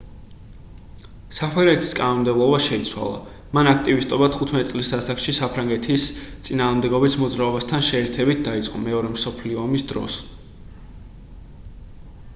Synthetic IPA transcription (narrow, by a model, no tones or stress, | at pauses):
sapʰɾaŋɡɛt̪ʰi̥skʼanɔmd̪ɛblˠɔbaʃɛit̪sʰwa̰lˠa̰ | manak̚ʰt̪ʼivist̪ʼɔbat̪ʰχut̪ʰmɛt̪ʼisʼlisasakʃisapʰɾaŋɡɛt̪ʰist̪sʼinaːʁmd̪ɛɡɔbismɔd̪zɾaɔbast̪ʰanʃɛːɾt̪ʰɛbit̪̚d̪ait̪sʼqʼɔ̰mɛɔɾɛmsɔpʰliɔːmisd̪ɾɔ̰s